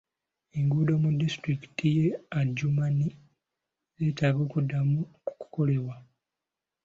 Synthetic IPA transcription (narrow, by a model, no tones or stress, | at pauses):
eŋɡuːdo̞mudːistɾiki̥tijeaɟːumani | etaːɡo̞ːkudːamuuku̥ko̞le̞βwa